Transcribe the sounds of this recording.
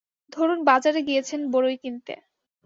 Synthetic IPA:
d̪ʱoɾunbad͡ʑaɾeɡijet͡ɕʰenboɾojkint̪ḛ

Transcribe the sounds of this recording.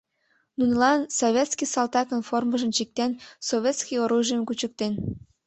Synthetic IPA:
nunlɑnsovʲet̪skisɑlt̪ɑkənforməʒə̆mt͡ɕik̚t̪ensovʲet̪skijoɾuʒijəmkut͡ɕək̚t̪en

